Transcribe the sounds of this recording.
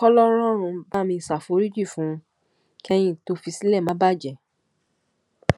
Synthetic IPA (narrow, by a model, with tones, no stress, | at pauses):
kɔ˦lɔ˦ɾ̃ɔ̃˦ɾ̃ũ˧ba˦mĩ˧˨sa˨fo˨˦ɾi˦d͡ʒi˦˨fũ˨˦ | kɛ˦j̃ĩ˦˨to˧˦fi˧si˦lɛ˦˨mã˨˦ba˦˨d͡ʒɛ˨